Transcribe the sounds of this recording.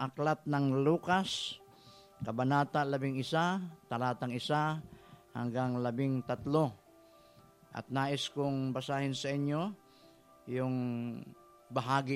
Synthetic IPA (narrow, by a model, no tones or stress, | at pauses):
ʔaklat̪̚nɐŋluːkas | kɐbanaːt̪alɐbɪŋɪsat̪alaːt̪aŋɪsaha̰ŋɡaŋlɐbɪŋt̪at̪lo | ʔa̰t̪̚naːʔɪskʊŋbasaːhɪnsɐʔɪɲjo | jʊŋ | baɦaːɡɪ